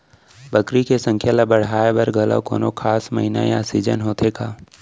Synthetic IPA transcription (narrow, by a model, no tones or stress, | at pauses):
bəkɾikesə̃ŋkʰjalɐbəɽ̤aːebɐɾɡʱɐla̰ko̰ːnokʰaːsməɦɪna̰jaːsid͡ʒə̰nɦoːt̪ʰekaː